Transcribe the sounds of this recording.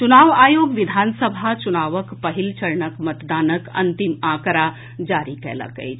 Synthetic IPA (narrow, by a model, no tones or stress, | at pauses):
t͡ʃunaːʋaːjoːɡʋid̪ʱaːnsəbʱat͡ʃunaːʋəkpəɦilt͡ʃɐɾɳəkmət̪d̪aːnəkɐ̰nt̪imãːkɾa | d͡ʒaːɾikɛ̰la̰kə̰j